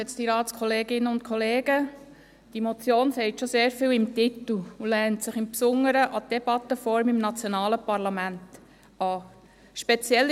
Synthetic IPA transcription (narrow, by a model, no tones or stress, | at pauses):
ɛt͡sd̥iɾɑːtskʰɔleːɡɪnəʊnt̚kʰɔleːɡə | d̥imɔt͡sjoːnsɛɪt̪ʃoseːɾfɪːwɪmtɪt̪l̩ulɛːntsɪχɪmpsʊŋːəɾəʔɑd̥ɛb̥ɑt̪ːəfɔɾmɪmnɑt͡sjonɑːləpɑɾlɑmænt | ɑː | ʃpɛt͡sjɛlː